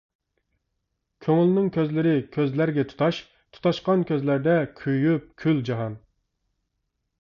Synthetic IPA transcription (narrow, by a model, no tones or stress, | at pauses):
kʲʰøŋylnɪŋkʲʰøzlɪɾɪkʲʰøzlæɾɡʲɛt̪ʰu̥t̪ʰɑʃ | t̪ʰu̥t̪ɑʃqɑnkʲøzlæɾd̪ɛkʲʰyjyp̚kʲʰyld͡ʒɑɦɑn